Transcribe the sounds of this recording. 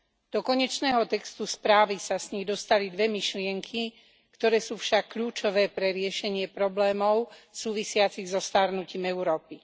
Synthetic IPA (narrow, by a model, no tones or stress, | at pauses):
d̪̥ɔkɔɲɛt͡ʃnɛːɦɔt̪ɛkst̪uspɾaːʋisasɲid̪ɔst̪alid̪ʋɛmiʃlɪɛŋkʰi | kt̪ɔɾɛːsuːfʃakːʎuːt͡ʃɔʋɛːpɾɛɾɪɛʃɛɲɪɛpɾɔblɛːmɔʊsuːʋisɪat͡siɣzɔst̪aɾnuciːmɛʊɾɔːpi